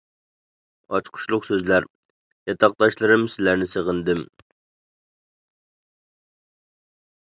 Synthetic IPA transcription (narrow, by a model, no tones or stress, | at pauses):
ɑt͡ʃqʰʊ̥ʃlˠʊqsøzlæɾ | jɑt̪ʰɑq̚d̪ɑʃlˠɨɾɨmsɪlæɾnɪseʁənd̪ɪm